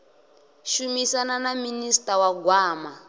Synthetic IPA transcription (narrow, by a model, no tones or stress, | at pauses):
ʃumisananaministawaɡwaːma